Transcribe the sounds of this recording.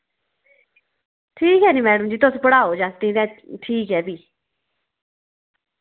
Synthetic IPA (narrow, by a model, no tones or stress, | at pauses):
ʈʰiːkɦɛːniːmɛːɽəmd͡ʒiːt̪ʊspəɽaːoːd͡ʒaːst̪ĩːd̪ɛ̃ːʈʰiːkɦɛːbiː